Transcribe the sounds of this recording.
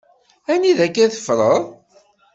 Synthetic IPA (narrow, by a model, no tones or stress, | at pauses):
æniðækːæθə̥fɾˤəðˤ